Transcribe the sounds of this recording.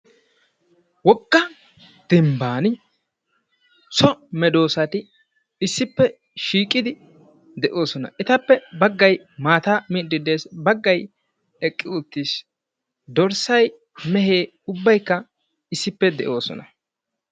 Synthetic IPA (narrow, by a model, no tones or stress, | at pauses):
wɔkːɐ | d̪̥ɪmbaːnɪ | sɔmɛd̪o̞ːsɐt̪ɪ | ɪsːɪpːɛ | ʃiːkʼɪd̪ɪ | d̪ɛʔo̞ːsɔnɐ̰ʔɪt̪ɐpːɛbɐɡːɐj | maːt̪aːmid̪ːɪd̪e̞ːsbɐɡːɐj | ɛkʼːɪʊt̪ːiːs | d̪ɔɾsɐj | mɛɦeː | ʊbːɐjkːɐ | ɪsːɪpːɛd̪ɛʔo̞ːsɔ̰nɐ